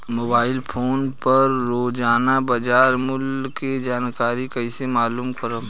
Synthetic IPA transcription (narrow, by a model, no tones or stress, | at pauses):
moːbaːɪlpʰoːnpɐɾːoːd͡ʒaːnabɐd͡ʒaːɾmʊlked͡ʒaːnkaːɾikɐisemaːluːmkəɾə